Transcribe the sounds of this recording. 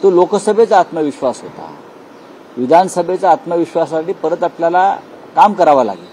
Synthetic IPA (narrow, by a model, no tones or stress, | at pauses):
t̪olokəsəbʱet͡saːt̪məʋiɕʋasɦot̪a̰ | ʋid̪ʱanəsəbʱet͡saːt̪məʋiɕʋas̬aʈiːpəɾət̪apljala | kamkəɾaʋala̰ɡit̪